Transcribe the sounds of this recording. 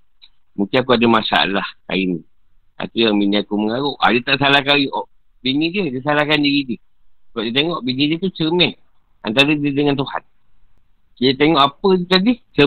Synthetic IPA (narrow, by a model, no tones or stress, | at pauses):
muŋkɪnakuadamasa̰a̰lahka̰ini | a̰t̪ujaminiakuməŋaɣoʔʔa̰dət̪aʔsalahkawjʔɔʔ | binidiədəsalahkandiɣidiə | səbap̚diət̪̬eŋɔʔbinidiət̪ut͡ʃəmɛn | ant̪aɾadiədəŋant̪uha̰t̪̚ | kijət̪eŋɔʔapədt̪adit͡ʃə